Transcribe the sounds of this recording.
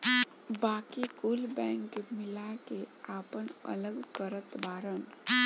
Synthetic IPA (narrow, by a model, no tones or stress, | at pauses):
baːkikulbɛ̃ːŋkmɪlakeaːpənə̰ləɡkəɾət̪baːɾən